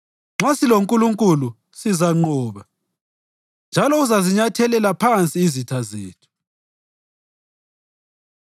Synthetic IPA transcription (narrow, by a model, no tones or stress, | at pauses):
ŋ͡ǁasiloŋkʼuluŋkʼulu | sizaŋ͡ǃɔːβa | nd͡ʒʱalɔuzaziɲatʰɛlɛlapʰant͡sʼiizitʰazeːtʰu̥